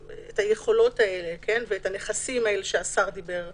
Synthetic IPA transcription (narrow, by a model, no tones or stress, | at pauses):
ethajeχo̞lo̞tae̞le̞kʰe̞nveetane̞χasimae̞leʃeasaʁd̪ibe̞ʁ